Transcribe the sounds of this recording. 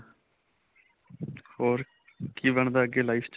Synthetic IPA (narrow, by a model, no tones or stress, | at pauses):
hoːɾ | kiːbəɳd̪aːəɡeːlaɪft͡ʃ